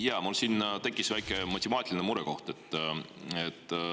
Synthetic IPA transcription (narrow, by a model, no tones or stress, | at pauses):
jɑːmulsiːnt̪e̞kˑːisvæjkˑemɑt̪ʲːemɑːt̪ʲilʲinemuɾeko̞ht̪e̞t̪ːˑet̪ː